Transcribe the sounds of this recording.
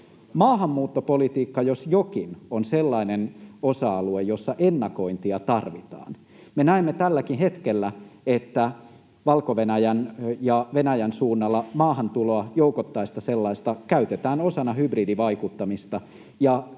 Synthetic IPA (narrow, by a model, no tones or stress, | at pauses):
mɑːɦɑmːuːt̪ːopolit̪iːkːɑjosjokinonselːɑinenosɑɑluejjo̞sːɑʔenːɑkoint̪iɑt̪ɑrʋit̪ɑ̰ːn | menæemːet̪ælːækinɦe̞t̪kelːæet̪ːæ | ʋɑlkoʋenæjænjɑʋenæjænsuːnːɑlːɑmɑːhɑnt̪uloɑjoukot̪ːɑist̪ɑselːɑist̪ɑkæyt̪et̪æːnosɑnɑhybridiʋɑikut̪ːɑmist̪ɑ | jɑ